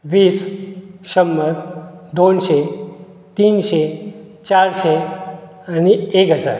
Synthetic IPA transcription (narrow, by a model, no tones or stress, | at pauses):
ʋiːsʃəmːəɾd̪onʃe | t̪iːnʃe | t͡ɕaɾʃe | anieːkɦəd͡za̰ːɾ